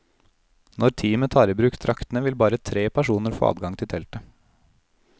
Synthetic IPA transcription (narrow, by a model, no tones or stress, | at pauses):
nɔɾt̪ʰiːmət̪ʰɑːɾəbɾʉːkt̪ʰɾʔɑkt̪n̩əʋɪlbɑːɾət̪ʰɾeːpʰæʂuːnəɾfo̰ːɑ̰ːd̪ɡɑŋt̪ʰɪlt̪ʰɛlt̪ə